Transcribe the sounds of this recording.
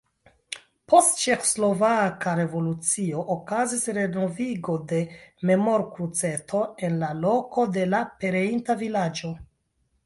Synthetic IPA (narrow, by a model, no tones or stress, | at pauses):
po̞stt͡ʃe̞xo̥slo̞vakaɾe̞vo̞lut͡sio̞ʔokazisɾe̞no̞viɡo̞de̞me̞mo̞ɾkɾut͡se̞tʰo̞e̞nlalo̞ko̞de̞lape̞ɾe̞intavilad͡ʒo̞